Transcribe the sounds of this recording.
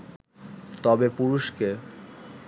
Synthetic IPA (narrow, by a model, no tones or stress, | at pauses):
t̪ɔbepuɾuʃke